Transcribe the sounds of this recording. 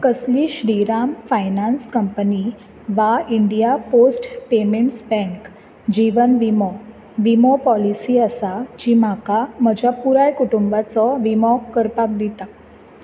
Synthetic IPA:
kəsliɕɾiɾamfajnanskəmpəni | ʋaiɳɖijaposʈpemeɳʈsbɛ̃ŋk | d͡ʑiʋənʋimɔ | ʋimɔpɔlisiasad͡ʑimakaməd͡ʑjapuɾajkuʈumbat͡sɔʋimɔkəɾpak̚d̪it̪a

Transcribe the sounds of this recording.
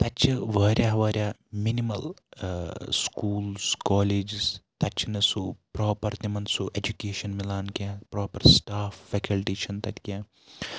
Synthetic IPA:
t̪ɐt͡ʃʰɨʋɐːɾʲjaːɦʋɐːɾʲjaːminimɐl | skuːlskɔːleːd͡ʒzt̪ɐt͡ʃʰɐnesupɾoːpɐɾt̪imɐnsuʔed͡ʒukeːʃɐnmilaːnkjaːpɾoːpɐɾsʈaːfːɛkɐlʈiːʃɐnt̪ɐt̪ʲikʲjaː

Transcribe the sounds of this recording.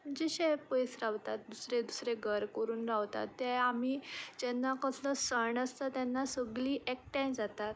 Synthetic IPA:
mməɳd͡ʑeɕepəjsɾaʋt̪at̪̚d̪usɾed̪usɾeɡʱəɾkəɾuːnɾaʋt̪a̰t̪ːɛamid͡ʑɛnːakəsləsəɳəst̪at̪ɛnːasəɡliːʔɛk̚ʈʈãd͡zat̪at̪

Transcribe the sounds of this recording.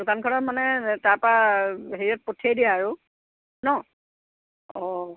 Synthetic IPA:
dukankʰɔnɔtmanɛtaɹpɹaɦeɹiɔt̚potʰːiejdijaaɹʊ | nɔ | ɔ

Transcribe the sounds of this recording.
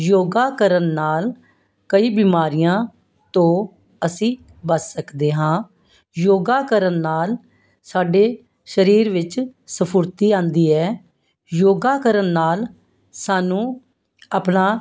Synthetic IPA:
joːɡaːkəɾənːaːl | kəiːbimaːɾɪjãː | t̪õː | əsĩː | bəsːəkd̪eːɦãː | joːɡaːkəɾənːaːl | saːɖeː | ʃəɾiːɾʋɪt͡ʃsəpʰʊɾt̪iːãːnd̪iːɛː | joːɡaːkəɾənːaːl | saːnũː | apnaː

